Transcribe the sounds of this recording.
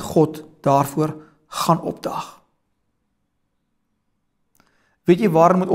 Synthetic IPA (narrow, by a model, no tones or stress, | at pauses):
χɔtd̥ɑːrfuər | χɐnɔ̰p̚dɐχ | viətjəvɑːɾənmutɔ